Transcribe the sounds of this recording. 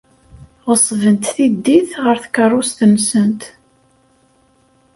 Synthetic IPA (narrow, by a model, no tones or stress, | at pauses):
ʁəsˤvənt̪θid̪ːiθʁəɾθkərˤːʊst̪ənːsənt̪